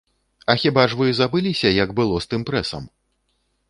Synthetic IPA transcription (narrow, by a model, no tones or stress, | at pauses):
ɐxʲibaʐvɨzabɨlʲisʲɐjɐɡbɨlˠɔst̪ɨmpɾɛsɐ̰m